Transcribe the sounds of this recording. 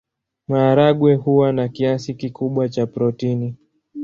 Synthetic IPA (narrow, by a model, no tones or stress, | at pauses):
maːɾaɠwɛhuwanakiasikikuɓwat͡ʃapɾɔtini